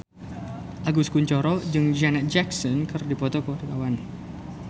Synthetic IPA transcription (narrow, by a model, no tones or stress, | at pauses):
ʔaɡuskuɲt͡ʃɔɾɔd͡ʒɨŋd͡ʒanɛt̪̚d͡ʒɛksɔnkɨrdipɔt̪ɔkoɾəkawan